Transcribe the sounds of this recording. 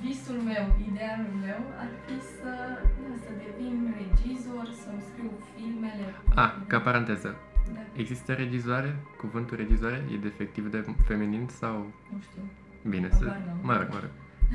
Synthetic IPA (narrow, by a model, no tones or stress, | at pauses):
visulme̞wid̪ealulme̞wa̰fisəasəd̪e̞vinre̞d͡ʒizorʲsawmskɾiwfilme̞le̞akapaɾant̪ezə | e̞ɡzist̪əɾe̞d͡ʒizoaɾe̞kuvɨnt̪ulɾʔe̞d͡ʒizoaɾejḛd̪efek̚t̪ivd̪efe̞mininsawnuʃt̪i | binesmaɾo̰kma̰ɾo̰